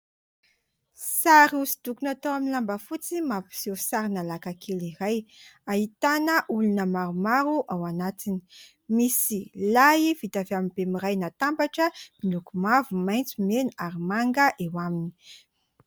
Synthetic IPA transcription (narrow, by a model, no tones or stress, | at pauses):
saɾiusi̥d̪ukunat̪owaminilambəfut͡simapi̥sosaɾinalakakʰelirajaɦit̪anəʔulunəmaɾumaɾuʔawanat̪ini̥ | misilaivit̪aveamibemiɾajnat̪ambaʈ͡ʂəmilukumavumajnt͡sumenuaɾimaŋɡəʔewamini̥